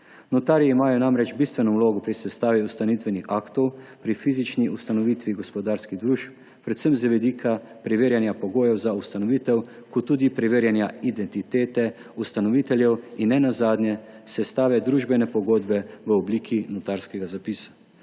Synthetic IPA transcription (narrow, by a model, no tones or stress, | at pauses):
nɔt̪aːɾiiimaːjɔnamɾɛd͡ʒbiːst̪ʋɛnɔwloːɡɔpɾisɛst̪aːʋiust̪anit̪ʋɛnixaːkt̪ɔwpɾifiːzit͡ʃniust̪anɔʋiːt̪ʋiɡɔspɔd̪aːɾskiɣd̪ɾuːʃp | pɾɛt̪səmzʋɛd̪iːkʰa | pɾiʋeːɾjanjapɔɡoːjɛwzaust̪anɔʋiːt̪ɛw | kɔt̪ːuːd̪ipɾɛʋeːɾjanjaid̪ɛnt̪it̪eːt̪ɛ | ust̪anɔʋiːt̪ɛljɛwinːɛnazaːd̪nʲjɛsɛst̪aːʋɛd̪ɾuːʒbɛnɛpɔɡoːd̪bɛʋəɔbliːkʰinɔt̪aːɾskɛɡazapiːsḁ